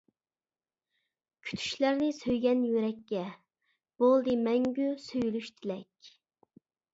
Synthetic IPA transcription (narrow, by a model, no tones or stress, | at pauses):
kʲʰy̥t̪ʰy̥ʃlæɾnɪsøjɡʲɛnjyɾɛkʲːɛ | b̥olˠd̪ɨmɛŋɡʲysøjylyʃt̪ʰɪlɛkʲ